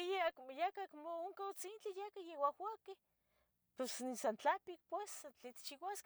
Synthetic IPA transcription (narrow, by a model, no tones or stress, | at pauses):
jeakjakakmooŋkawt͡sint͡ɬijakajewahwake | posnisant͡ɬapik̚pwesːat͡ɬet̪t͡ʃiwask